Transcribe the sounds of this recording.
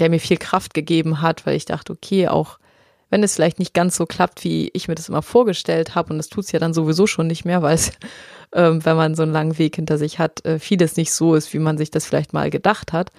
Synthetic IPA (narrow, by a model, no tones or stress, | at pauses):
d̥eːɐmiːɐfiːlkʁ̥aft̚ɡ̥əɡeːbm̩ɦatv̥aɪlɪçd̥a̰χtəokʰeːʔa̰ʊx | vɛnɛsfɪlaɪçtnɪçt̚ɡ̥ansz̥oːkl̥ap̚tv̥ḭːɪ̰çmiːɐdasʔɪ̰mɐfoːɐɡəʃtɛlthaːbəʊntd̥astʰuːtsjaːɾanzovizoːʃoːnːɪçtmeːɐvaɪlsʔɛːmvɛnmanzoːnlaŋənveːkhɪntɐzɪçhatʔɛːfiːləsnɪçtz̥oːɪstv̥iːmanzɪçd̥asfɪla̰ɪçtma̰ːlɡədaχthat